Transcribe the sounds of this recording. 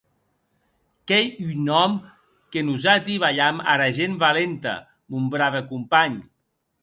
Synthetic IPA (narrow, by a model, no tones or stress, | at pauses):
kejynɔm | kenuzat̪iβaʎama̰ɾaʒembalent̪a̰ | mumbɾaβekumpaɲ